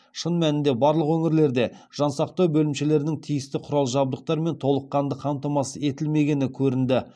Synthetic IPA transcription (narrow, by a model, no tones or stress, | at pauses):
ʃənmænɪnd̪e̞bɑɾlˠəqwɵŋɪɾle̞ɾd̪e̞ | ʒ̥ɑnsɑq̚t̪ɑwbɵlɪmʃe̞le̞ɾɪnɪŋt̪ʰijɪst̪ɪqʰʊɾɑlˠʒɑb̚d̪əq̚t̪ɑɾme̞nt̪ʰo̞lˠəqːɑnd̪əqʰɑmt̪ɑmɑsəe̞t̪ɪlme̞ɡʲe̞nɪkʲʰɵɾɪnd̪ɪ